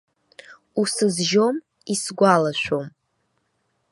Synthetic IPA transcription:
usɨzʒom | isɡʷalaʃʷᶣo̞m

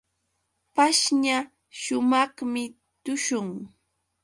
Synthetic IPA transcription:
paʃɲa | ʃʊmɑχmɪ | t̪ʊʃʊŋ

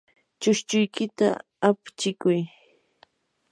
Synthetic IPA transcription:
t͡ʃʊʃt͡ʃʊjkɪt̪a̰ː | pt͡ʃɪkʊj

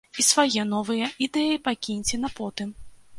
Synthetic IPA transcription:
isvajɛnɔvɨjɐid̪ɛjipakʲinʲt͡sʲinɐpɔt̪ɨm

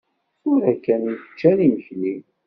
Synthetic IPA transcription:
ʊɾækːænjiθə̥t͡ʃːæniməçli

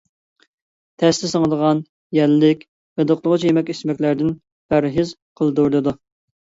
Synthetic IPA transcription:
t̪ʰɛst̪ɪsəŋəd̪əʁɑn | jɛlːɪkʲ | vɛd̪oqlˠəʁət͡ʃʰijemɛkʲesmɛkʲlæɾd̪ɪn | b̥æɾɦɪz | qʰəlˠd̪uɾlɨd̪u

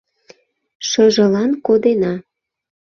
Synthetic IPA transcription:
ʃəʒə̆lɑnkod̪enɑ

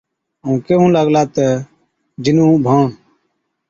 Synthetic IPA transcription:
ũːkeɦũːləɡlaːt̪ə | d͡ʒɪnũːbʱaːɳ

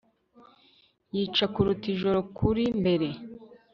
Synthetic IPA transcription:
jiːt͡ʃakuɾutiʒo̞ɾo̞kʰuɾimbe̞ɾe̞

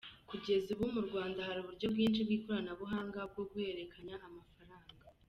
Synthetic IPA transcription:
kuɟe̞ziβumuɾɡwaːndahaɾuβuɾɟo̞bɡiːnt͡ʃibɡiːko̞ɾanaβuɦaːŋɡab̚ɡo̞ɡuhe̞ɾe̞kʰaɲaʔːmafaɾaːŋɡa

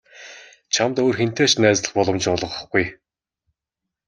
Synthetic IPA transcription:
t͡ɕʰamt̪oːrxen̥t̪eːt͡ɕnæːt͡sɮə̆χpɔɮɞ̆mt͡ɕʊɮʁə̆χə̆χɡuj

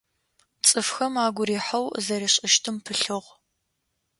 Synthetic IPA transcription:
t͡sʼɨfxɐmaːɡʷʊɾiːħɐwzɐɾiɕʼɪʃtʰɨmpʰɨɬɨʁ

